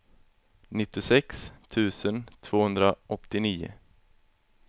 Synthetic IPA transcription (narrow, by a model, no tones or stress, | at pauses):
nɪt̪ːɪsɛkst̪ʰʉ̟ːsənt̪ʰv̥oːhɵnd̪ɾaʔɔt̪ːɪniːʊ̰